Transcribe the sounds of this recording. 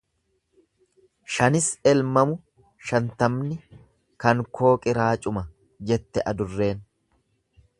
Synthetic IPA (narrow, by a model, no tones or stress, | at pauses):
ʃɐnɪsɛlmɐmʊ | ʃɐnt̪ɐmnɪ | kɐŋkʰo̞ːkʼɪɾaːt͡ʃʼʊmɐ | d͡ʒɛt̪ːɛʔɐd̪ʊrːe̞ːn